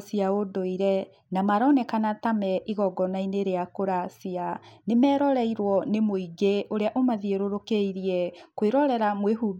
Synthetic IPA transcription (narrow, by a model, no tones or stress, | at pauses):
siaodoiɾɛ | namaɾɔnɛkanatamɛʔiɣɔɡɔnaineɾeakoɾasianemɛːɾɔɾɛiɾwɔnemoiɡeʔoɾeaʔomaðieɾoɾokeiɾiɛkweɾɔɾɛɾamweɦub